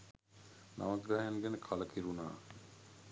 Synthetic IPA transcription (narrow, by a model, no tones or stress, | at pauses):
na̰mat̪ɡajanɡenekʰalɐkʰiɾunaː